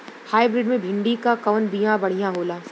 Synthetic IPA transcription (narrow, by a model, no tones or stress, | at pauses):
haːɪbɾɪɖmẽbʱɪ̃ɳɖikakɐʋnbijãbɐɽ̤ijãɦoːlaː